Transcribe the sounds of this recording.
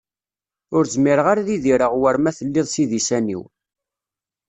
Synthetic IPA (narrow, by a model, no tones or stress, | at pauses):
ʊɾzmiɾəʁaɾaðiðiɾəʁwəɾmæθəlːɪðˤsiðisænḭw